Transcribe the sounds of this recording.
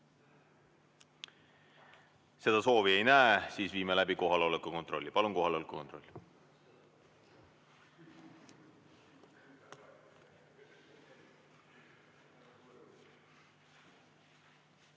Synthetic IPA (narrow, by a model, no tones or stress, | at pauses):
se̞d̪̥ɑso̞ːvie̞jnæesiːsviːmelæbiko̞ɦɑleo̞lekːuko̞nt̪ro̞lʲːipɑlunko̞ɦɑleo̞lekˑukont̪ro̞̰lʲː